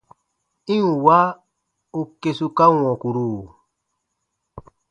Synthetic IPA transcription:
ĩ˦u˨wa˦ | u˨ke˨su˦ka˦w̃ɔ̃˨ku˨ɾu˨

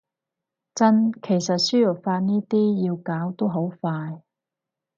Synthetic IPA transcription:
t͡sɐ˥nkʰe˨˩jsɐ˨t̚syː˥jɔ˨˩k̚faː˧t̚niː˥t̪iː˥ji˧wkaː˨˥wt̪o˥wɦo˨˥wfaː˧j

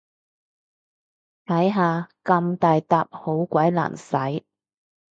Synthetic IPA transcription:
t̪ʰɐ˨˥jɦaː˨˧kɐ˧mt̪aː˨jt̪aː˨˧p̚ho˨˥wkʷɐ˨˥jla̰ː˨˩nsɐ˨˥j

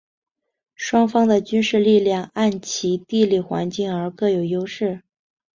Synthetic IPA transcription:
ʂwɑ˥ŋfɑ˥ŋd̪ə˨t͡ɕy˥nʂɻ̩˥˧li˥˧ljɑ˥˧ŋa˥˩nt͡ɕʰi˧˥t̪i˥˧li˥˩xwa̰˧˥nt͡ɕi˥˩ŋə˞˧˥kɤ˥˩jo˨˩ʊjo˥ʊʂɻ̩˥˩

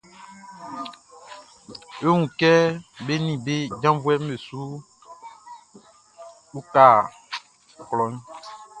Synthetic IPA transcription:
jo˦ŋũ˨kɛ˦be˦nĩ˨be˦d͡ʒã˦vu˦ɛ˦me˨su˦ | u˦ka˨ | klɔ˨˦n˦

